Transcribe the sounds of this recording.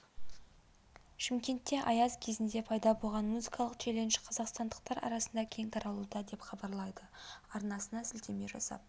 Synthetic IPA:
ʃɪmkʲe̞nt̪ːe̞ʔɑjɑzkʲʰe̞zɪnd̪e̞pʰɑjd̪ɑbo̞lˠʁɑnmuzikɑlˠəqt̪ʰele̞nʃɪ̥qʰɑzɑqst̪ɑnd̪əqt̪ɑɾɑ̰ɾɑsənd̪ɑkʲʰe̞ŋt̪ʰɑɾɑlˠud̪ɑd̪e̞pχɑbɑɾlˠɑjd̪əɑɾnɑsənɑsɪlt̪e̞me̞ʒɑ̰sɑ̰p̚

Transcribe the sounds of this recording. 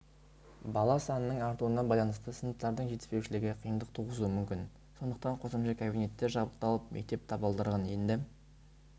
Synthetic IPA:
bɑlˠɑsɑnənəɴɑɾt̪uənːɑbɑjlˠɑnəst̪əsənət̪ːɑɾd̪əɴʒe̞t̪ɪ̥spe̞wʃɪlɪɡʲɪqʰijənd̪əq̚t̪ʰuʁəzuəmʏmkʲɪn | so̞nd̪əqt̪ɑɴqʰo̞səmʃɑkʲʰabijne̞t̪ːe̞ɾʒɑbəq̚t̪ɑlˠəp̚mʔek̚t̪e̞p̚t̪ʰɑbəlˠd̪əɾʁɑnje̞nd̪ɪ

